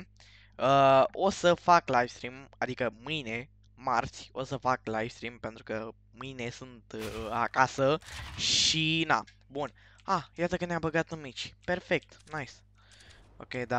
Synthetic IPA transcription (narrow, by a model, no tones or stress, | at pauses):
əo̞səfaklajfst̪ɾimad̪ikəmɨjne̞ | mart̪sʲo̞səfaklajfst̪ɾimpe̞nt̪ɾukə | mɨjne̞sunt̪a̰kasəʃina̰ | bun | ajat̪əkənabəɡat̪numit͡ʃʲpe̞rfe̞k̚t̪najs | o̰kʲed̪a